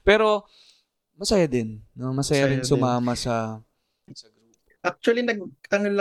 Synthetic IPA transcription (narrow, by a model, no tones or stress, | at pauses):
pɛːɾo̞ | mɐsɐjad̪ɪnːomɐsɐjaɾɪnsʊmaːmɐsɐ | ʔak̚t͡ʃʊɐlinɐɡ̚t̪ɐŋɐlɐ